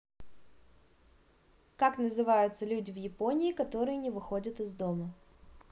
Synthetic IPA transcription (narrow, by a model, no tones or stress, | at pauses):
kaknəzɨvajʊt̪səlʲudʲɪvjɪpo̞nʲɪːkɐt̪o̞ɾɨjənʲɪvɨxo̞dʲət̪ɨzd̪o̞mə